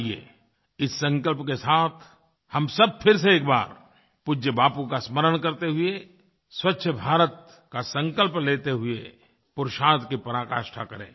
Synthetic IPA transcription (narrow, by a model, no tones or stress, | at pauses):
iḛː | ɪsːə̃ŋkəlpkesaːt̪ʰ | hɐmsɐb̚pʰɪɾseeːkba̰ːɾ | pʊd͡ʒəbaːpukasməɾəɽ̃kɐɾt̪eɦʊe | swɐtːʃʰəbʱaːɾət̪̚ | kasə̃ŋkəlpleːt̪eɦʊe | pʊɾʃaːt̪kipɐɾaːka̰ːʃʈʰakɐɾḛ̃ː